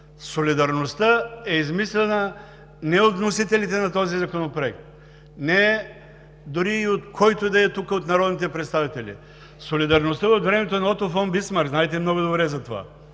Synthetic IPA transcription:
solʲid̪ɐɾnost̪əɛizmislɛnɐ | nɛot̪nosit̪ɛlit̪ɛnɐt̪ɔzizɐkonopɾoɛk̚t̪̚ | nɛ | d̪ʊɾiːot̪kʰɔjt̪od̪ɐɛt̪ukəot̪nɐɾɔd̪nit̪ɛpɾɛt̪st̪avit̪ɛlʲḭ | solid̪ɐɾnost̪əot̪vɾɛmɛt̪onɐɔt̪ofɔnbismaɾɡznaɛt̪ɛmnɔɡod̪obɾɛzɐt̪ova̰

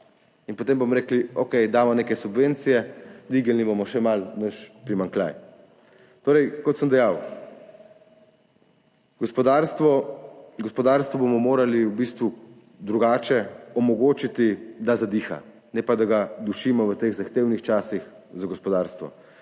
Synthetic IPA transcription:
inpɔt̪embomɔɾeːkliokɛjd̪aːmɔneːkɛsubʋeːnt̪sijɛd̪ʋiːɡalnibomɔʃɛmalnət͡ʃpɾimaŋklʲa̰j | t̪oːɾɛjkɔt̪səmd̪ɛjaw | ɡɔspɔd̪aːɾst̪ʋɔɡɔspɔd̪aːɾst̪ʋɔbomɔmoːɾaliwbist̪ʋu | d̪ɾuɡaːt͡ʃɛɔmɔɡoːt͡ʃit̪id̪azad̪iːxa̰ | nɛpad̪aɡad̪uʃiːmɔʋət̪eɣzaxt̪eːwnixt͡ʃaːsix | zaɡɔspɔd̪aɾst̪ʋɔ̰

